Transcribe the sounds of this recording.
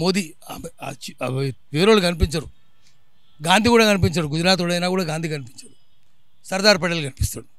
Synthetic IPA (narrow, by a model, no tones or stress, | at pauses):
moːd̪i | aːm̰ːt͡ʃːʋeːɾoːɭɯkɐnɪp̬iɲt͡ʃɐɾũ | ɡaːnd̪ʱikuːɽɐkɐnɪp̬iɲt͡ʃɐɾũɡʊd͡ʒɪɾaːt̪̬ːoɽɐɐnːaːkuːɽɐɡaːnd̪ikɐnɪpɪɲt͡ʃɐɾu | sɐɾd̪aːɾpɐɽɐlkɐnɪpi̥st̪ɐɽu